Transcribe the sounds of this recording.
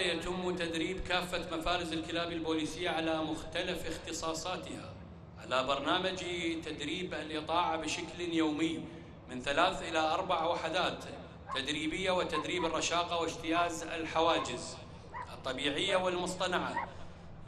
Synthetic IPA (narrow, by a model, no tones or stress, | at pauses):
jat̪ɪmːut̪ad̪ɾiːbkaːfːamafaːɾɪzɪlkɪlaːbɪlboːliːsɪjːaʕalamʊxt̪alafɪxt̪ɨsˤɑːsˤɑːt̪ha̰ | ʕalabɑɾˤnaːmad͡ʒt̪ad̪ɾiːbalʔɨt̪ˤɑːʕabɪʃakljoːmɪjː | mɪnθalaːθʔɪlaʔɑɾˤbaʕawaħad̪aːt̪ː | ad̪ɾiːbɪjːawɪt̪ad̪ɾiːbɪrˤːɑʃɑːqɑwɪd͡ʒt̪ɪjaːzɪ̰lħawaːd͡ʒɪz | ʔɨt̪ˤːɑbiːʕɪjːawɪlmʊsˤt̪ˤɑnaʕa̰